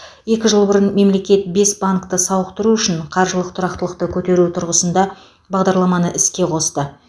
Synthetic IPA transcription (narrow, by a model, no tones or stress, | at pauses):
je̞kʲɪʒəlˠbʊɾənme̞mle̞kʲe̞t̪̚be̞sbaŋkt̪əsɑwəqt̪əɾuʏʃɪɴqʰɑɾʒəlˠəqt̪ʰʊɾɑq̚t̪əlˠəq̚t̪əkʲʰɵt̪e̞ɾut̪ʰʊɾʁəsənd̪ɑ | bɑʁd̪ɑɾlˠɑmɑnəʔɪskʲe̞qʰo̞st̪ə